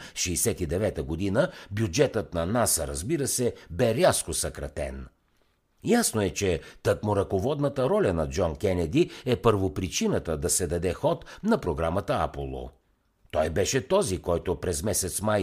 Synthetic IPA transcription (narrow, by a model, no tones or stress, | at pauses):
ʃɛːsɛt̪id̪ɛvɛt̪əɡod̪inəbjud͡ʒɛt̪ət̪̚nɐnasəɾɐzbiɾəsɛbɛɾʲaskosɐkɾɐt̪ɛ̰n | jasnoɛt͡ʃɛt̪əkmʊɾɐkovɔd̪nət̪əɾɔlʲɐnɐd͡ʒɔnkʲɛnɛd̪iɛpəɾvopɾit͡ʃinət̪əd̪ɐsɛd̪ɐd̪ɛxɔt̪nɐpɾoɡɾamət̪əa̰polˠo̰ | t̪ɔjbɛʃɛt̪ɔzikɔjt̪ʊpɾɛzmɛsɛt̪smaj